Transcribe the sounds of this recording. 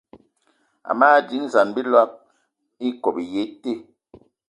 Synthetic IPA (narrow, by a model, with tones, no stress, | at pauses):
a̰˨maː˦˨di˨˦ŋza˨nbi˦lwa˦p̚ | i˦kɔ˨bi˨je˨˦te˦˨